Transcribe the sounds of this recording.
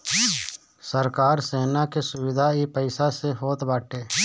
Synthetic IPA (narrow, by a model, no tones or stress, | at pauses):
səɾkaːɾseːnakesʊwɪd̪ʱaipəɪsaseɦoːt̪baːʈʰeː